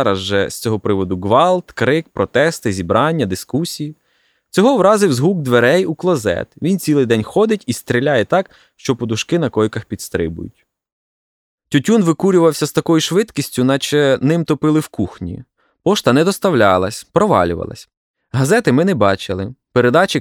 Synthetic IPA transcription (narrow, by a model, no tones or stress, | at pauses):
ɾɐzʒɛsʲt͡sʲɔɦɔpɾɪʋɔd̪ʊɡʋɑlˠt̪kɾɪk̚pɾɔt̪ɛst̪ɪzʲibɾɑnʲːɐd̪ɪskusʲiji | t͡sʲɔɦɔwɾɑzɪwzɦuɡ̚d̪ʋeɾɛjuklˠɔzɛ̰t̪ʋʲint͡sʲilˠɪjd̪ɛnʲxɔd̪ɪtʲist̪ɾʲilʲajɛt̪ɑk | ʃt͡ʃɔpɔd̪ʊʃkɪnɐkɔjkɐxpʲid̪st̪ɾɪ̰bʊ̰jʊ̰tʲ | tʲʊtʲunʋɪkuɾʲʊʋɐwsʲɐst̪ɐkɔjuʃʋɪd̪kʲisʲtʲʊnɐt͡ʃɛnɪmt̪ɔpɪlˠɪwkuxnʲḭ | pɔʃt̪ɐnɛd̪ɔst̪ɐwlʲɑlˠɐ̰sʲpɾɔʋɑ̰lʲʊ̰ʋɐ̰lˠɐ̰sʲ | ɦɐzɛt̪ɪmɪnɛbɑt͡ʃɪlˠɪpeɾed̪ɑt͡ʃɪ